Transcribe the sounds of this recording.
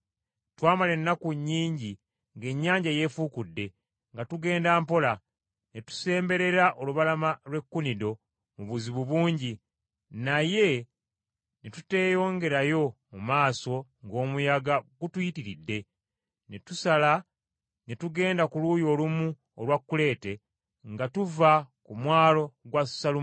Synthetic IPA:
twaːmale̞nːakuɲːiːɲɟi | ŋɡe̞ɲːaːɲɟaje̞fuːkudːe̞ | ŋɡatuɡe̞ːndaːmpo̞la | netu̥se̞ːmbe̞ɾe̞ɾaʔo̞luβalamalwe̞kːunido̞ | muβuziβuβuːɲɟi | naje̞ | netute̞ːjo̞ːŋɡe̞ɾajo̞mumaːso̞ŋɡo̞ːmujaɡaɡutujitiɾidːe̞ | netusala | netuɡe̞ːndakulujo̞ːlumu | olwakːule̞ːte̞ | ŋɡatuvakumwaːlo̞ɡwasalu

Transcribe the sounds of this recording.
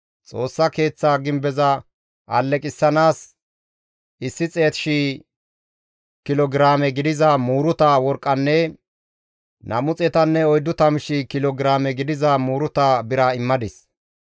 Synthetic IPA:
t͡sʼo̞ːsːɐke̞ːt͡sːaːɡɪmbɛzɐ | ʔɐlːɛkʼɪsːɐnaːs | ɪsːɪt͡sʼe̞ːt̪ɪ̥ʃi | kɪlɔɡɾaːmɛɡɪd̪ɪzɐmuːɾʊt̪awɔɾkʼːɐnːɛ | nʔɐmʊt͡sʼɛt̪ɐnːɛɔjd̪ːʊt̪ɐmʃɪkɪlɔɡɪɾaːmɛɡɪd̪ɪzɐmuːɾʊt̪abɪɾaɪmːɐd̪ɪs

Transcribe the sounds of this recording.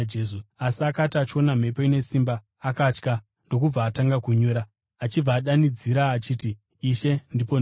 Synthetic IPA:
d͡ʒesuasiakatiat͡ʃio̞nam̤epoine̞simbaː | kat͡ʃka | ndo̞k̬ub͡vaːtaŋɡakuɲuːɾaː | t͡ʃib͡vaːɗanid͡ziɾaːt͡ʃiːtiː | ʃe̞ndipo

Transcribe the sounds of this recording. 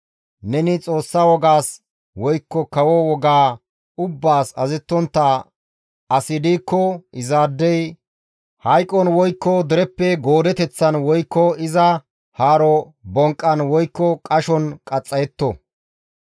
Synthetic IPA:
nɛnɪt͡sʼo̞ːsːawɔɡaːs | wɔjkːɔkɐwɔwɔɡaː | ʊbːaːsɐzɛt̪ːɔnt̪ːa | ɐsɪd̪iːkːɔʔɪzaːd̪ːɛj | hɐjkʼːɔnwɔjkːɔd̪ɪɾɛpːɛɡo̞ːd̪ɛt̪ɛt͡sːɐnwɔjkːɔɪzɐ | haːɾɔ | bɔŋkʼːɐnwɔjkːɔkʼɐʃɔnkʼɐt͡sʼːɐjɛt̪ːɔ̰

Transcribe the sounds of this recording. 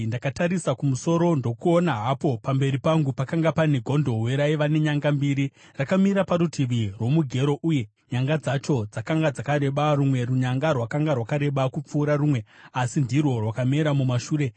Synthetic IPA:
ndakataɾisakumuso̞ɾo̞ndo̞kuo̞naɦapo̞pambe̞ɾipaŋɡupakaŋɡapaneɡʱo̞ndo̞ɦweɾaiʋane̞ɲaŋɡambiɾi | rakamiɾapaɾutʰiʋirwo̞muɡʱe̞ɾo̞ʔuje̞ | ɲaŋɡad͡zat͡ʃo̞d͡zakaŋɡad͡zakaɾe̞ɓarumwe̞ruɲaŋɡarwakaŋɡarwakaɾe̞ɓakup͡fuːɾarumwe̞asindirwo̞rwakame̞ɾamumaʃuːɾe̞

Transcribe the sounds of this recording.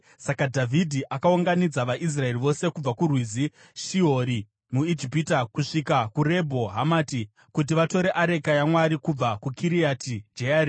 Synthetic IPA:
sakadʱavʱidʱiʔakauŋɡanid͡zaʋaʔis̬rae̞riʋo̞se̞kub͡vakurwizi | ʃiɦo̞ɾi | muid͡ʒipitakuʂikakure̞bʱo̞ɦamaːti | kut̬iʋato̞ɾe̞ʔaɾe̞kajamwaɾikub͡vakukʰiɾiatʰid͡ʒeaːɾi

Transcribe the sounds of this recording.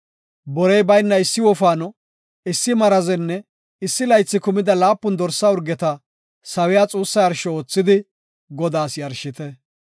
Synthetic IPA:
bɔɾɛjbɐjnːɐɪsːɪwɔfaːnɔ | ɪsːɪmɐɾɐzɛnːɛ | ɪsːɪlɐjt͡sːɪkʊmɪd̪ɐlaːpːʊnd̪ɔɾsːaʊɾɡɛt̪ɐ | sɐwɪjaːt͡sʼuːsːɐjɐɾʃɔoːt͡sːɪd̪ɪ | ɡɔd̪aːsjɐɾʃɪt̪ɛ

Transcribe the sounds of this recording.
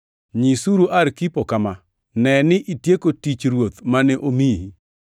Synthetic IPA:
ɲisuɾoʔaɾkipokama | nɛnɪʔitjekotit͡ʃɾwot̪manɛʔomiɦi

